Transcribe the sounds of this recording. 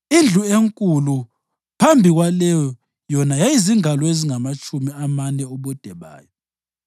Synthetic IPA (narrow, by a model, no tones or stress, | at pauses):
ind͡ɮʱueŋkʼulu | pʰambʱiɣwalɛjɔ | jɔnajajiziŋalɔeziŋamat͡ʃʼumiamanɛɔβɔd̥ʱɛβa̰ːjɔ